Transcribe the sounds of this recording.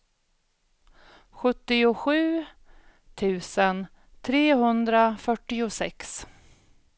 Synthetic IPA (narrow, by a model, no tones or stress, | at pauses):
ɧɵt̪ːɪʊɧʉ̟ː | t̪ʰʉ̟ːsən | t̪ʰɾeːɦɵnd̪ɾafœʈːɪʊsɛ̰ks